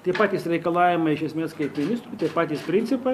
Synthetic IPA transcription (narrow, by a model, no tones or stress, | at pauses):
t̪ɐɪpɑːt̪ʲiːsɾʲɛɪkɐlˠɑːʋʲɪmɐɪʃʲɛsʲmʲeːskɐɪpmʲɪnʲɪst̪ɾuːt̪ɐɪpɑːt̪ʲiːspʲɾʲɪnʲt̪sʲɪpɐ